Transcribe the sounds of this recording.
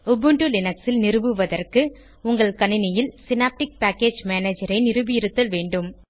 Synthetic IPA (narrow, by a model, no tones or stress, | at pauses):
ʊbɯɳʈulɪnɐksɪlnɪɾɯbɯʋɐðɐrkɯ | ʊŋɡɐɭkɐnɪnɪjɪlsɪnaːp̚ʈɪk̚paːkːeːd͡ʒmeːneːd͡ʒɐɾɐɪnɪɾɯbɪjɪɾɯt̪ːɐlʋeːɳɖɯm